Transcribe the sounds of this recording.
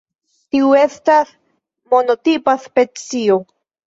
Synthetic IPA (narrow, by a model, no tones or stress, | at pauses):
tiue̞stas | mo̞no̞tipaspe̞t͡sio